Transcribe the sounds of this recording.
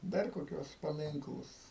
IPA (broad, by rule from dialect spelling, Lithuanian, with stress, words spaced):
ˈdɐr koːˈkʲuɔs pɐˈmʲɪŋklˠʊs